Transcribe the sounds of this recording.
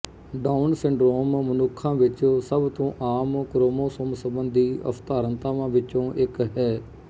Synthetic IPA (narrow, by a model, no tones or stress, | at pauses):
ɖaːʊnsɪɳɖɾoːmmənʊkʰːãːʋɪt͡ʃõsəbt̪õːʔaːmkɾoːmõːsomsəbənd̪iːə̰fʰt̪aːɾənt̪aːʋãːʋɪt͡ʃõːʔɪkɦɛː